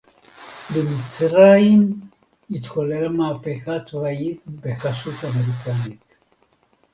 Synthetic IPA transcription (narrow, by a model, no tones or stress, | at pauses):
bemit͡sɾaim | it̪koleɾamaːpexat̪vajikbexaʃut̪ameɾikanit̪